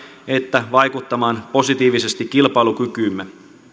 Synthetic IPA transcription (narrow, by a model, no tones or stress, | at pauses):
e̞t̪ːæʋɑjkut̪ːɑmɑːnpo̞sit̪iːʋise̞st̪ikkːilpɑjlukykyːmːe